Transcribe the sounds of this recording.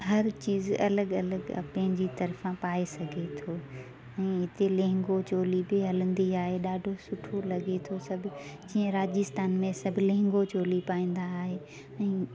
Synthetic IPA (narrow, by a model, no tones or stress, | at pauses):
ɦɐɾt͡ɕiːzɐ̰ləɠɐləɡ̰pɐ̃ɦɪ̃ɲd͡ʑit̪ɐɾfãpaːesɐɡʱet̪ʰoː | ɛ̃ːɦɪt̪elẽɦɪ̃ŋɡot͡ɕoːlibɪɦɐlə̃nd̪iaːɦeɗaːɖʱosʊʈʰolɐɠet̪ʰosɐbʱʊd͡ʑĩːə̃ɾaːd͡ʑɪst̪aːnmẽsɐbʱɪlẽɦɪ̃ŋɡot͡ɕoːlipaːĩːnd̪aːɦe | ɛ̃ː